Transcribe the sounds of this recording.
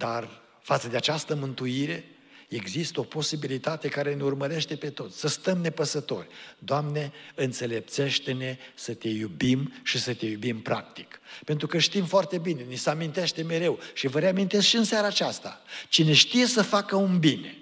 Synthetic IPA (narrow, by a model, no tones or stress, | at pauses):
d̪ar | fat̪səd̪e̞at͡ʃast̪əmɨnt̪uiɾe̞ | eɡzist̪əo̞po̞sibilit̪at̪e̞kaɾe̞neurməɾe̞ʃt̪e̞pe̞t̪o̞t̪sʲsəst̪əmne̞pəsət̪o̞̰rʲd̪oamne̞ɨnt̪se̞le̞p̚t̪se̞ʃt̪e̞ne̞sət̪e̞jubimʃisət̪e̞jubimpɾa̰k̚t̪i̥kpe̞nt̪ɾukəʃt̪imfoart̪e̞bine̞nisəamint̪e̞ʃt̪e̞me̞ɾe̞wʃivəɾeamint̪eskʃiɨnsjaɾaːt͡ʃast̪a̰t͡ʃine̞ʃt̪ije̞səfakəunbine̞